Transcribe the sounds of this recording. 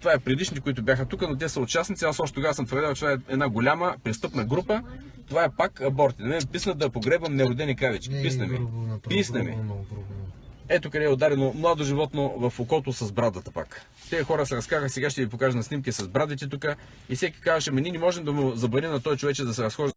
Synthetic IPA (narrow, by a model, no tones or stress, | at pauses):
t̪ovaɛpɾɛd̪iʃnit̪ɛkʊit̪ʊbʲjaxət̪ukənot̪̬ʲɛsəott͡ʃasnit̪siasɔʃt̪ɛt̪oɡasəmt̪vəɾd̪alˠt͡ʃɛt̪vaɛɛd̪naɡolʲaməpɾɛst̪ɤpnəɡɾupə | t̪ovaɛpakɐbɔɾt̪inɐmɛnɛpisnəd̪ɐpoɡɾɛbvɐmnɛɾod̪ɛnikɾavʲɛt͡ʃkʲi̥pisnɐmḭpisnɐmḭ | ɛt̪okɐd̪ɛɛʊd̪aɾɛnomlˠad̪oʒivɔt̪novɐfokɔt̪osɐzbɾad̪ɐt̪ɐpa̰k | t̪ɛxɔɾəsɛɾɐskavxsɛɡaʃ̬t̪ɛvipokaʒɛnɐsnimk̬ʲisɐzbɾad̪vit̪ɛt̪ukə | ifsɛkʲi̥kazvɐʃɛmɐnʲinɛmɔʒɛmd̪ɐmozɐbɐɾimnɐt̪ɔjt͡ʃovɛt͡ʃɛd̪ɐsɛɾɐsxɔʒi